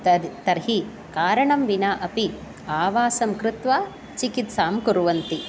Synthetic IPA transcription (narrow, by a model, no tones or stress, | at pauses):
t̪ɐɾɦi | kaːɾɐɳɐmʋinaːʔɐpi | aːʋaːsɐmkɾɪt̪ʋaː | t͡ʃikit̪saːmkuɾuʋɐnt̪i